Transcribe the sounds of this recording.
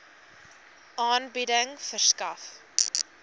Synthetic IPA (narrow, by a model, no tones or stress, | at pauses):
ʔɑːnbidəŋfərskɐf